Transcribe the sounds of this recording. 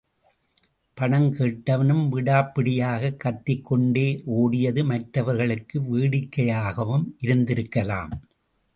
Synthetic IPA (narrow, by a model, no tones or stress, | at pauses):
pɐɳɐŋkeːʈːɐʋɐnɯmʋɪɽaːpːɪɽɪjaːɣɐkːɐt̪ːɪkːɔɳɖeːʔoːɽɪjɐðɯmɐʈɾɐʋɐɾɣɐɭɯkːɯʋiːɽɪkːɐjaːɣɐʋɯmʔɪɾɯnd̪ɪɾɯkːɐla̰ːm